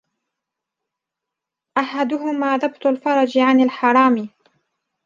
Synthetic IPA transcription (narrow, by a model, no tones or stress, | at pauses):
ʔaħad̪ʊɦʊmaːðɑbt̪ˤʊlfɑɾˤɑd͡ʒʕanalħɑɾˤɑːm